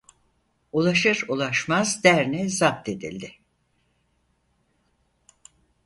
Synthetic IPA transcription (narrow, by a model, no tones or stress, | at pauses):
ulˠaʃɯɾulˠaʃmazd̪æɾnɛzat̪̚ːe̞d̪ḭlʲd̪ɪ